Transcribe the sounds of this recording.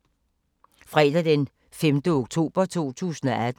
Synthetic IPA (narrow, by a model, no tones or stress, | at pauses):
fʁɛd̥æd̥en | femd̥əoɡ̥t͡sʰo̝̰ːb̥ɐt͡sʰo̝̰ːt͡sʰṵːsn̩ɒʔæd̥